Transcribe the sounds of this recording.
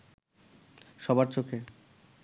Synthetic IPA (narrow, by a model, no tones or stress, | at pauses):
ʃɔbaɾt͡ɕokʰe